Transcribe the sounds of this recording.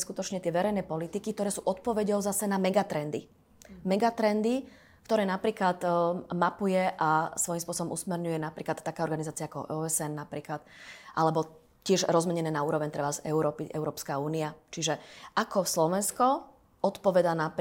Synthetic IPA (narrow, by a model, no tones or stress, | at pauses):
skut̪ɔt͡ʃɲɛt̪ɪɛʋɛɾɛjnɛːpɔlit̪ikik̚t̪ɔɾɛːsuːʔɔt̪̚pɔʋɛɟɔʊzasɛnamɛɡat̪ɾɛnd̪i | mɛɡat̪ɾɛnd̪i | kt̪ɔɾɛːnapɾiːklat̪mapujɛʔasʋɔjimspʊɔsɔbɔmusmɛɾɲujɛnapɾiːklat̪ːakaːɔɾɡanizaːt͡siaakɔ̰ʔɔɛzɛnːapɾiːklat̪ʔalɛbɔ | cɪɛʒɾɔzmɛɲɛnɛːnauːɾɔʋɛɲt̪ɾɛbazɛuɾɔːpiɛ̰ʊɾɔːpskauːniat͡ʃiʒɛʔakɔslɔʋɛnskɔ | ɔt̪pɔʋɛd̪anapɾ